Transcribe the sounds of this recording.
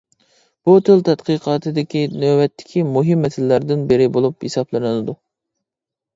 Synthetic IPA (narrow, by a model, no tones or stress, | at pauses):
b̥ut̪ʰɨlˠt̪ʰɛt̪qɨqʰɑːt̪ʰɨd̪ɪkʲinøwɛt̪ʰːɪ̥kʲʰimuɦɨmːɛsɪllæɾd̪ɪnbɪɾɪbolˠuphesɑplˠɨnɨlˠɨd̪u